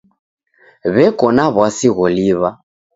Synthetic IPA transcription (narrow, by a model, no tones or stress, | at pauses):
βɛkɔnaβwasiɣɔliβa